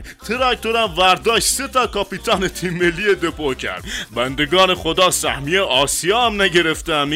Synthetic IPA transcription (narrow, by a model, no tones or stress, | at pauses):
t̪ʰeɾɑk̚t̪oɾæmvæɾd̪ɒːʃt̪set̪ʰɒːkɒːpit̪ʰɒːnet̪ʰiːmːelːiːed̪epocʰæ̰ɾd̪̥bænd̪eɡɒːneχod̪ɒːsæ̰hmieɒːsijɒːæmnæɟe̞ɾeft̪ææm